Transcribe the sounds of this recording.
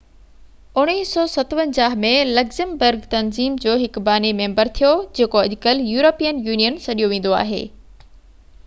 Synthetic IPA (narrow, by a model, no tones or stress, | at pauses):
ʊɽ̃iːsɔːsɐt̪pə̃ɲd͡ʑaːɦmẽlɐɡzəmbəɾɡt̪ɐnziːmd͡ʑoːɦɪkbaːnemẽːmbəɾt̪ʰijod͡ʑeːkoɐʄkəljuːɾoːpijənjuːnijənsɐɗijoʋẽːn̆d̪oa̰ːɦḛː